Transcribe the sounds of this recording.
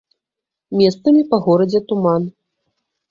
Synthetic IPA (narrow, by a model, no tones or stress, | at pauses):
mʲɛst̪sɐmʲipɐɣɔɾɐd͡zʲɛt̪uman